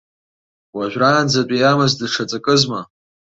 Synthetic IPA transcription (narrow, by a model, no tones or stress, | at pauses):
waʒʷᶣraːnd͡zat͡pʷʼijamazdɨʂʰat͡sʼakʼɨzma